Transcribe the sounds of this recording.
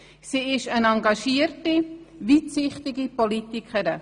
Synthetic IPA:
siːɪʃənɑŋɡɑʃiːərtivitsɪχtɪɡipolitikʰəɾə

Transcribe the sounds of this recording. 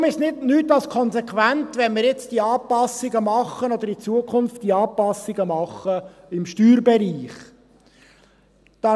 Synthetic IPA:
ʊmɪʃnɪdnyːtːɑlskʰɔnsɛkʰʋæntʋɛnmɪːɾjɛt͡sd̥iɑːpɑsɪɡəmɑχːənɔd̪əɾit͡suəkʰʊnftd̥iɑːpɑsːɪɡəmɑχːəɪmʃtyːɾbɛɾiːχ | d̥ɑ

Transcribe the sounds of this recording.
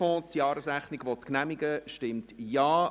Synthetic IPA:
ɔ̃ːtjɑːɾəsæχnɪɡʋɔtknæmɪɡəʃtɪmtjɑː

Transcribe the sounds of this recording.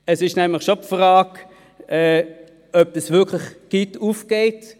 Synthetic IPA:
ɛsɪʃnɛmləχʃopfʁɑːk | ɛː | œb̥̚d̥əsvɪɐkʰlɪχɡ̥ituːfɡ̥eɪt

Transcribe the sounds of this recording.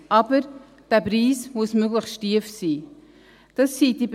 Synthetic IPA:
ʔɑbəɾ | d̥æːpriːsmʊsmøɡləχstʃtiəfsiː | d̥ɑsːiːd̥ib

